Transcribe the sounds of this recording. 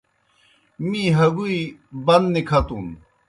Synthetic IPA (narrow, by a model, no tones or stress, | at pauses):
miɦɐɡuibɐnd̪nikʰɐt̪un